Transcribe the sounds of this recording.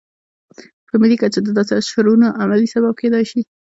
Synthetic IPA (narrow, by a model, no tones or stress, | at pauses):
pəmilikat͡ʃad̪əd̪ɑsɪʃaɾunaʔamalisabab̚ked̪ɑjʃi